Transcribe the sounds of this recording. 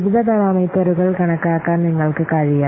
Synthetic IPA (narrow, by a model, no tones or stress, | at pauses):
ʋiðʱɐd̪ɐɾaːmɐjt̪ːɐɾuɣɐɭkɐɳɐkːaːkːaːnniŋːɐɭkɨkaːɻija